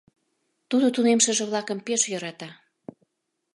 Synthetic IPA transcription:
t̪ud̪ot̪unemʃəʒĕβlɑkəmpeʃjɤ̆ɾɑt̪ɑ

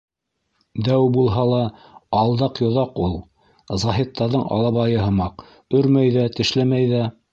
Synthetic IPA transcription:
d̪æwbulˠɦɑlˠɑɑlˠd̪ɑqjŏðɑqulˠ | zɑɦit̪ːɑɾðɤɴɑ̰lˠɑβɑjɤɦɤ̆mɑq | ɵ̆ɾmæjðæt̪ɘ̆ʃlæmæjðæ

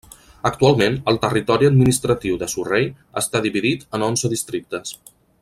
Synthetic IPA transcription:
ək̚t̪ualˠmenəlˠt̪ərit̪ɔɾiəd̪̚minist̪ɾət̪iwðəsurej | əst̪aðiβiðit̪ənonzəðist̪ɾik̚t̪əs

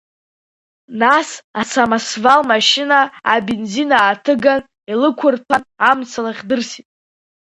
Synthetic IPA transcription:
nasat͡sʰamasvalmaʃɪnaːbenzinaːtʰɨɡan | ilɨkʷʰʊrpʰanamt͡sʰalaχʲdɨrsitʼ

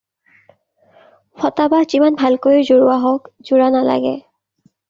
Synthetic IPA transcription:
pʰɔtabahzimanbʱalkojzoɹʊaɦɔkzuɹanala̰ɡɛ̰

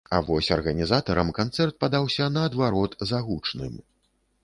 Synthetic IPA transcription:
a̰vɔsʲɐrɣɐnʲizat̪ɐɾɐmkant̪sɛrt̪̚pad̪awsʲɐnɐːd̪vaɾɔt̪zaɣut͡ʂnɨ̰m

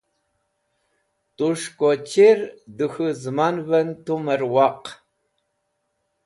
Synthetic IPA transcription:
tʼuʂkʷʼɔt͡ʃʰeːrdɨxɨzɨmaːnvɐntʰumɐrwɑːq

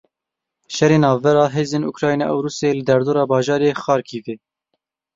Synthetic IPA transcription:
ʃɛɾeːnɑːvːɛɾɑːɦeːzeːnṵkɾɑːjnḛʔæwɾuːselɨd̪ɛɾd̪oːɾɑːbɑːʒɑːɾeːxɑːɾkʰiːveː

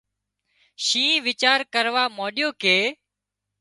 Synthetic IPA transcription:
ʃĩːʋɪt͡ʃaːɾkəɾʋaːmoːɗɪjoːkeː

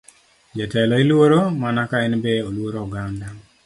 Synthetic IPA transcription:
d͡ʒɛtɛlɔilwoɾomanakaɛnbɛolwoɾoːɡanda

